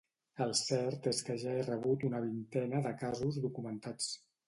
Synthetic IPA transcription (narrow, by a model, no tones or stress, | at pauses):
əlˠsɛɾt̪eskəʒaerəβ̞ut̪unəβ̞int̪ɛnəðəkazuzðukumənt̪at͡s